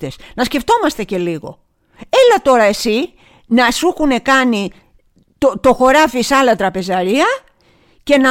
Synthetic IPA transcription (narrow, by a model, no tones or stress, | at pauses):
esnɐsceft̪o̞mɐst̪e̞ce̞liɣo̞̰ | elɐt̪o̞ɾɐe̞si | nɐsuxune̞kɐni | t̪ot̪o̞xo̞ɾɐfisɐlɐt̪ɾɐpe̞zɐɾiɐ | ce̞nɐ